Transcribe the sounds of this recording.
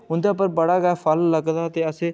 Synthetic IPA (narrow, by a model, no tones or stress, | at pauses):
ʊ̃nd̪ãːpəɾbəɽaɡaːfʰəlləɡd̪at̪eːəsẽː